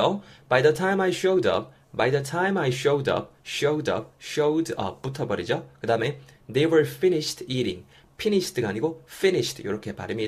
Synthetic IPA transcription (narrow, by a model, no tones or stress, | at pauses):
ob̥ajðətʰaɪ̃majɕoʊdʌ̰p̚ | bajðətʰãɪ̃majɕowdʌ̰p̚ɕoʊdʌ̰p̚ɕodʌ̰p̚ːutʰʌbʌɾid͡ʑʌkɯdaɯme̞dewə˞finiɕtʰiɾḭ̃ŋ | pʰiniɕtʰɯɡaɲiɡofiniɕtjo̰ɾʌkʰe̞pa̰ɾimi